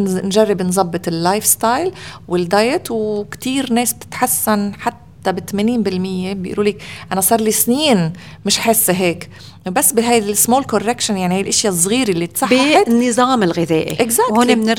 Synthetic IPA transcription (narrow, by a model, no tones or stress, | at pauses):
nʒarˤːɪbɪnzˤɑbːɨt̪ˤɪlːajfst̪ajlwɪld̪ajɪt̪wkt̪iːɾneːsb̚t̪ɪ̥t̪ħasːanħat̪ːabɪt̪ameːniːnbɪlmɪjːebjɪ̰ʔlʔuːliːkʔanasˤɑːɾˤlisniːn | mɪʃħɪsːeɦeːk | wbasːbɪɦajd̪alsmoːlkorːekʃanjaʕnihajlʔɪʃjazˤːɣiːɾelːit̪sˤɑħːanːɨzˤɑːmɪlɣɪðḛːʔḭʔɪɡzakhʊːnemnɪɾ